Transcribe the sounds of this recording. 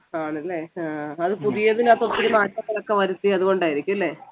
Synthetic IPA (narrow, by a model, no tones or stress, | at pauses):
aːɳɐlːe̞aːɐðɨpuðijɐðinaːt̪ot̪ːiɾunaːtːɐk̪ːɐlokːeʋɐɾut̪ːiɐðuɣo̞ɳɖaːjiɾikʲːumɐlːe̞ː